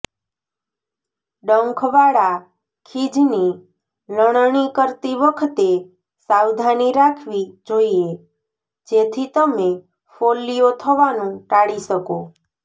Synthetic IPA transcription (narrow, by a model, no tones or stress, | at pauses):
ɖəŋkʰʋaɽa | kʰid͡ʒni | ləɽ̃ɳikəɾt̪iʋəkʰət̪e | sawd̪ʱaniɾakʰʋid͡ʒoie | d͡ʒet̪ʰit̪əme | folːiot̪ʰəʋanũʈaɽisəko